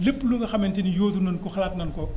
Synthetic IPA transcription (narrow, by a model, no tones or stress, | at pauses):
lipːlukɐxɐmentinijoːzunɐnkɔxɐlaːtnɐnkɔ